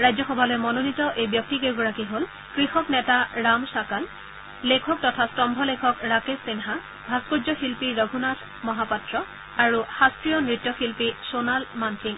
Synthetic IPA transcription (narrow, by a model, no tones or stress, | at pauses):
ɹajzɔxɔbʱalɔjɛmɔnonitɔʔejbjɔk̚tiɡejɡɔɹakiɦol | kɹixɔknɛtaɹamsakal | lekʰɔk̚tɔtʰastɔmbʱɔlekʰɔkɹakesːinɦa | bʱaspuzɔxilpiɹɔɡʱunatʰ | mɔɦapatɹɔ | aɹuxastɹijɔnɹitːɔxilpisonalmankʰiŋ